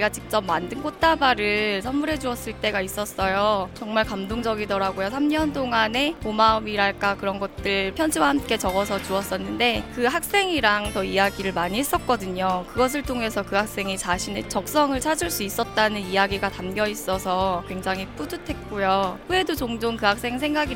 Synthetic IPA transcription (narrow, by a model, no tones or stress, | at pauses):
iɡat͡ɕik̚t͡ɕ͈ʌp̚mandɯnkot̚t͈abaɾɯsʰamːuɾɦe̞d͡ʑuʌs͈ɯɭt͈e̞ɡais͈ʌs͈ʌjot͡ɕʌŋmaɭkamdoŋd͡ʑʌɡidʌɾaɡojosʰamɲʌnt͈oŋane̞pomaɯmiɾaɭk͈akɯɾʌnɡʌt̚t͈ɯɭpʰjʌnd͡ʑʰiwahamk͈e̞t͡ɕʌɡʌs̬ʰʌt͡ɕuʌs͈ʌnːɯnde̞kɯɦak̚s͈e̞ŋiɾaŋtʌijaɡiɾɯɭmaɲiɦes͈ʌk̚k͈ʌdɯɲokɯɡʌs̬ʰɯɭtʰoŋe̞sʰʌkɯɦak̚s͈e̞ŋit͡ɕaɕʰine̞t͡ɕʌk̚s͈ʌŋɯɭt͡ɕʰad͡ʑuɭs͈uis͈ʌt̚t͈anɯnijaɡiɡatamɡjʌis͈ʌsʰʌkwe̞ŋd͡ʑaŋɦip͈udutʰe̞t̚k͈ojoɸɯe̞dot͡ɕoŋd͡ʑoŋkɯɦak̚s͈e̞ŋsʰe̞ŋɡaɡi